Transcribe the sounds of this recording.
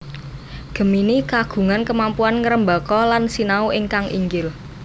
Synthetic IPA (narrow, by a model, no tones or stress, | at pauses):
ɡ̥ə̤minikaɡ̥ṳŋankəmampuanŋəɾəmbakɔlansinauʔɪŋkaŋʔḭŋɡɪl